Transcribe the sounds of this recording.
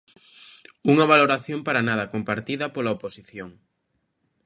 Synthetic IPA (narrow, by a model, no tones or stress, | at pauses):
uŋɐβ̞aloɾaθjompaɾanað̞ɐkompaɾt̪iðɐpolɐoposiθjoŋ